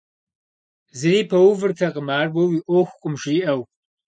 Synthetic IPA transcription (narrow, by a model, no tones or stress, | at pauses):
zɨɾiːpʰɐwʊvɨrtʰɐqʼəmaːrbɐwiʔʷoxʷqʷʼʊmʒiːʔɐw